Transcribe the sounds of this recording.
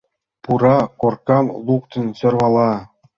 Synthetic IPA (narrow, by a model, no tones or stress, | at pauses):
puɾɑkorkɑmlˠukt̪ɤ̆nɕɤ̆rʋɑlˠɑ